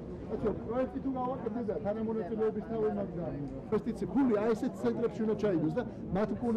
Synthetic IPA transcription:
at̪sʰɛɾɔpʼɾɔɛk̚t̪ʼit̪ʰuɡavakʼɛt̪̚ʰd̪ɛd̪at̪ʰanamɔnat̪sʼilɛɔbist̪ʰavimaɾd̪a | ɛst̪ʼit̪sʰipʰuliaɛsɛt̪̚t̪sʰɛnt̪ʼɾɛpʃiund̪at͡ʃʰaiɡ̪ɔs̬d̪a | mat̪ʰmkʼul

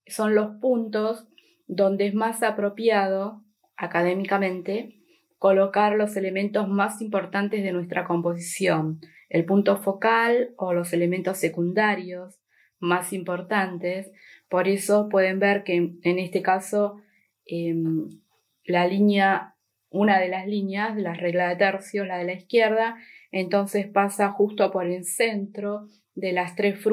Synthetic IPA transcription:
so̞nlo̞spunt̪o̞z | ðo̞nd̪eezmasapɾo̞pjað̞o̞ | akað̞emikamẽ̞nt̪e | ko̞lo̞kaɾlo̞se̞le̞mẽ̞nt̪o̞zmasimpo̞ɾt̪ant̪ezð̞e̞nwe̞st̪ɾʔako̞mpo̞s̬isjo̞n | ḛlpunt̪o̞fo̞kalolo̞se̞lement̪o̞se̞kund̪aɾjos | masimpo̞ɾt̪ant̪es | po̞ɾeso̞pwe̞ðe̞mbeɾkeːne̞st̪ekaso̞ | em | lalinja | unaðe̞laslinjaðelareɣlaðet̪ɛɾsjo̞slað̞e̞laihkjeɾðaent̪o̞nsespasaxust̪o̞po̞ɾensent̪ɾo̞ | ðelast̪ɾesf

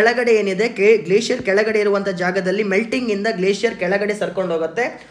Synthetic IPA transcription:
ɭɐɡɐɽe̞eːnid̪e̞keɡleːsijɐɾkɛɭɐɡɐɽe̞iɾuʋɐnt̪ʰɐd͡ʒaːɡɐd̪ɐlːimelʈiŋɡind̪ɐɡleːsijɐɾkɛɭɐɡɐɽe̞sɐɾkoɳɖʱoːɡɐt̪ːe̞

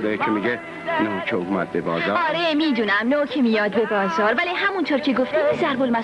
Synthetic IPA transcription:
d̪eɾekʰemiɡe | noːcʰeomæd̪̚bebɒ̰ːzɒːɒːɾemiːd̪uːnæmnoːcʰemijɒːd̪̚bebɒːzɒːɾvæliɦæmunt̪ʰoːɾcʰeɡoft̪izæɾbolmæ

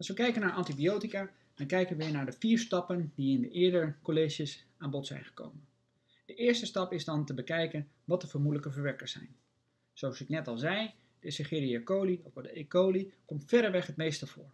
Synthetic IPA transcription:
ɑlˠsʋəkɛjkənaːɹʔɑntibiowtikaː | dɑnkɛjkənʋɪːɹnaːɹdəviːɹstɑpəndiɪndəʔɪːɹdəɹkoleʒəsaːnbɔtsɛ̰jnχə̥ko̰wmən | d̥əʔɪːɹstəstɑpɪzdɑntəbəkɛjkən | ʋɑt̚dəvəɹmudələkəvəɹʋɛɹkəɹsɛ̰jn | z̥owɑsɪknɛtɑlˠzɛj | d̥əsəχeriakowliokɑlˠdəekowlikɔmtfɛɾəɹʋɛχɦətmejstəv̥ʊːɹ

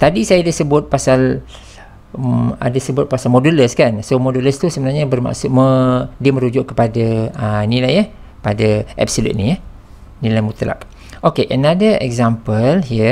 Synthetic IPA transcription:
t̪adisajadasəbʊt̪̚pasal | a̰dəsəbʊt̪̚pasalmoduləskansomoduləst̪usəbənarɲabərma̰ʔsʊt̪̚mədiəməɾud͡ʒʊʔkəpadaənilajə | əpadaʔɛ̰p̚səlṵt̪̚nijə | nilajmut̪əla̰k | ʔokeʔənadəɛ̰k̚zampəlhiə

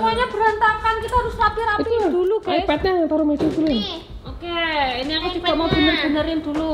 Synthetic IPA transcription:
mɔɲab̥əɾant̪arkankit̪aɾʊsrapiɾaitiud̪ulukaipɛt̪̚ɲaŋant̪aɾomed̪id̪ulu | okeiniakud͡ʒ̥uɡ̥aʔmaub̥ənərb̥ənəɾɪnd̪̥ulu

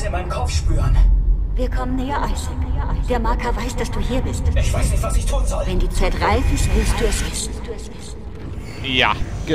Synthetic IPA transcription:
iːɐmaɪnənkʰɔp͡fʃpyːʁənviːɐkʰɔmənːɛːɐʔaɪs | ɐʔd̥eːɐmaɐkʰɐvaɪsd̥asd̥uːhiːɐbɪstd̥ɪçv̥aɪsnɪçtvasɪçtʰuːnzɔlvɛndiːt͡saɪtʁaɪfɪstv̥ɪlstd̥uːɛsɛssd̥uːɛsɛs | ja̰ːɡ̥ə

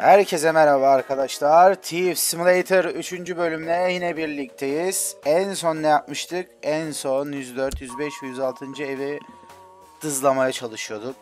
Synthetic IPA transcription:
hæɾcʰɛs̬emɛɾabɯaɾkʰad̪aʃlˠaɾt̪ʰivsimulˠejt̪ʰɯɾyt͡ʃʰynd͡ʒybø̞lʲymlʲɛjinɛbiɾlʲic̚t̪ʰe̞jiz̥ænso̞nːɛjap̚mɯʃt̪ʰɯkænso̞njyzd̪øɾt̪jyzbɛʃjyzalˠt̪ʰɯnd͡ʒɯe̞vi | d̪̥ɯzlˠamajat͡ʃʰalˠɯʃɯjo̞d̪uk̚

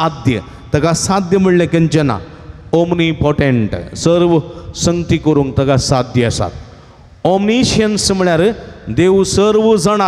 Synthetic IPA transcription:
ad̪jə̰ | t̪ɐɡasãd̪jəm̤əɽlẽkənd͡ʑena̰ | omnipɔʈeɳʈsəɾʋsə̃ŋɡt̪ikəɾuːŋk̚t̪ɐɡasad̪jəəsa̰t̪ | ɔmniɕiənsm̤iɭjaɾed̪eʋsəɾʋd͡zəɽ̃a

